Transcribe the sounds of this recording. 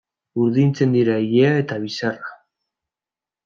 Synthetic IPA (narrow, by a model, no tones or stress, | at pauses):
uɾðint͡se̞nd̪iɾaejeae̞t̪aβ̞isara